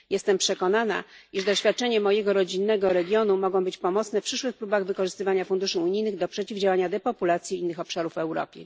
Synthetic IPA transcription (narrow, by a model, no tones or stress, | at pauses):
jɛst̪ɛmpʂɛkɔnana̰iʐd̪ɔɕfʲjat̪̚t͡ʂɛɲɛmɔjɛɡɔɾɔd͡ʑinːɛɡɔɾɛɡʲjɔnumɔɡɔ̃w̃bɘt͡ɕpɔmɔt̪snɛfpʂɘʂwɘxpɾubaɣvɘkɔʐɘst̪ɘvaɲafund̪uʂɘuɲijnɘɣd̪ɔpʂɛt͡ɕivd͡ʑawaɲad̪ɛpɔpulat̪sʲjiinːɘxɔpʂaɾufɛwɾɔ̰pʲjɛ̰